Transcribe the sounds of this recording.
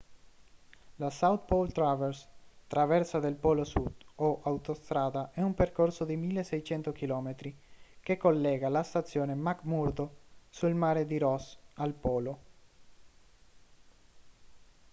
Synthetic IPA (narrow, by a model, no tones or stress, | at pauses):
lasawt̪̚polt̪ɾavɛrst̪ɾavɛrsad̪elpɔlosud̪̥oʔawt̪ost̪ɾaːd̪aʔɛumperkorsod̪imilːesɛjt͡ʃɛnt̪okilɔːmet̪ɾikekːolːɛːɡalast̪at̪sːjoːnemakmuɾd̪osuilmaːɾed̪iɾɔsalpɔːlo